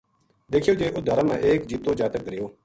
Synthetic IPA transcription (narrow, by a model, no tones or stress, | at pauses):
d̪eːkʰɪjoːd͡ʒeːʔʊd̪ʱaːɾãːmã̰ːʔeːkd͡ʒiːt̪oːd͡ʒaːt̪ək̚ɡəɾɪjoː